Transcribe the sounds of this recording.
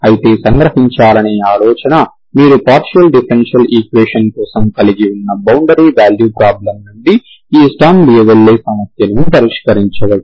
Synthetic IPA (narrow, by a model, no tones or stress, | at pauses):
ɐjit̪e̞ːsɐŋɡɾɐɦiɲt͡ʃaːlɐneːaːlɔːt͡ʃɐnɐ | miːɾupaːɾʃɐlɖipʰɐɾenʂɐliːkʋeːʂɐnkɔːsɐmkɐliɡiunːɐbɐwɳɖɐɾiːʋaːljuːpɾaːblɐmnund̪i | iːsʈaːmbijeʋɐɭːeːsɐmɐsjɐnud̪ɐɾiʃkɐɾiɲt͡ʃɐʋɐɽu